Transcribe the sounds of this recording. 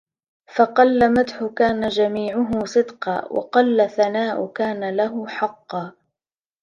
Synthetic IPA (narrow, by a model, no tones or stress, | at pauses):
fɑqɑlːamad̪ħʊkaːnad͡ʒamiːʕʊɦʊsˤɨd̪qɑ̰ːwʔɑ̰qɑlːaθanaːʔʊ̰kaːnalaɦʊħɑqːɑː